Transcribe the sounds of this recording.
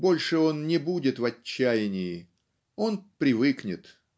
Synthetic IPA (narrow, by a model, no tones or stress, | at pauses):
bo̞lʲʂɨo̞nnʲɪbudʲɪt̪vɐt͡ɕːæjɪnʲɪjɪ | o̞npɾʲɪvɨknʲɪt̪